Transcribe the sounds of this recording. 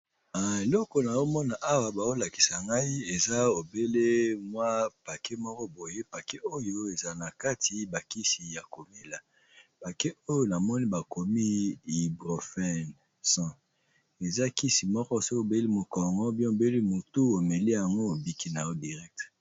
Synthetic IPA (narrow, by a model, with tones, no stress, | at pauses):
a˨e˨lɔ˦kɔ˨na˨jo˦mɔ˦na˨ʔa˦wa˨ba˨zo˦la˨ki̥˨sa˨ŋɡa˦i˦e˨za˦o˨be˦le˦mwa˦pa˨ke˦mɔ˦kɔ˦bo˨je˦pa˨ke˦ʔo˦jo˦e˨za˨na˨ka˦tʰi˦ba˨ki˦si˨ja˨ko˨me˦la˨ | pa˨ke˦ʔo˦jo˦na˨mɔ˦ni˦ba˨ko˨mi˦i˨bʁo˨fɛ˦n | sã˦ | e˨za˦ki˦si˨mɔ˦kɔ˦so˦o˨be˦li˦mo˨kɔ˨ŋɡɔ˦bɛ̃˦o˨be˦li˦mo˨tu˦o˨me˨le˦ja˨ŋɡo˦o˨bi˦ki˦na˨jo˦di˨ʁɛ˦k̚t